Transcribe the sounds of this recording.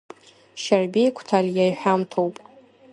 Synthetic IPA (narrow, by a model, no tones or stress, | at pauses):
ʃarbʲiejkʷʰtʰaljajħʷᶣamtʰowpʼ